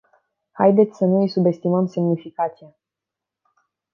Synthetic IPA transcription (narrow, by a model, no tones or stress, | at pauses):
ha̰jd̪e̞t̪sʲsənuɨjsube̞st̪iməmse̞mnifikat̪sija